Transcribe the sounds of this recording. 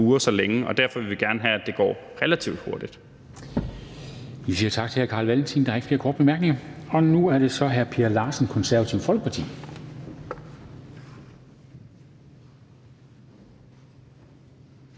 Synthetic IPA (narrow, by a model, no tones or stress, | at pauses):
uːɐsɒ̽leŋəʔɒ̽d̥æɐfɒʋiʋe̝ɡ̥æɐnəɦææd̥e̝ɡ̥ɒ̰ːʁelæt͡sʰiʊd̥ho̝ɐd̥id̥ | ʋisiːɐt͡sʰɑ̈ɡ̥̚t͡sʰe̝hæɐkʰɑ̈ːlʋælnt͡sʰind̥ɑ̈æeɡ̥fle̝ːɐkʰɒ̰ːd̥̚b̥emæɐɡ̥ne̝ŋɐɒ̽nuæɐɾ̥e̝sɒ̽ɦæɐpʰiæɐlɑ̈ːsən̩kʰɒ̽nsæɐʋæt͡sʰiʊ̰fɒ̽lɡ̥ə̥pʰɑ̈t͡sʰḭː